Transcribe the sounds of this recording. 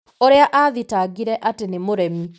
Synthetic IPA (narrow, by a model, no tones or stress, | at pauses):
oɾeaʔaðitaɡiɾɛʔatenemoɾɛmi